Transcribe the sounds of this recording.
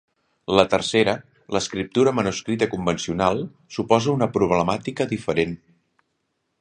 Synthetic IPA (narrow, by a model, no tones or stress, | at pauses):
lət̪ərseɾə | ləskɾip̚t̪uɾəmənuskɾit̪əkumbənsiunalˠ | supɔzəunəpɾuβ̞ləmat̪ikəðifəɾen